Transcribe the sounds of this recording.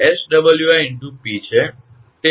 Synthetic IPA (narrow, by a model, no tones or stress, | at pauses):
esɖəbəljuaɛɳʈupit͡ʃʰe | t̪e